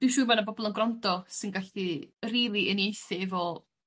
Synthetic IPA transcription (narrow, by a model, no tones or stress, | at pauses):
d̥ɪwʃuːmanabɔbɔlˠənɡrɔndɔsɪnɡaɬiriːlˠiənjejθɪvɔ